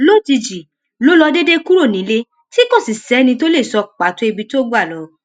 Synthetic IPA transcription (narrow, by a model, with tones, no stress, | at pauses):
lo˦˨ti˧d͡ʒi˨ | lo˦lɔ˧de˦de˦ku˦ɾo˦˨nĩ˨˦le˦ | ti˦kõ˦˨si˨sɛ˨˦nĩ˧to˦le˦˨sɔ˧k͡pa˨to˨˦i˧bi˧to˦ɡ͡ba˦˨lɔ˨˦